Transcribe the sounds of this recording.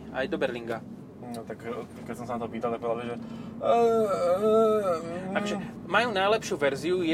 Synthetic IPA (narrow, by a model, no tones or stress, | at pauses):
ajd̪ɔbɛɾliŋɡa | nɔt̪ak | kːɛcsɔmsanat̪ɔpiːt̪alˠt̪ak̚pɔʋɛd̪aliʒɛ | akɔʒɛ | majuːnajlɛpʃuːʋɛɾziujɛ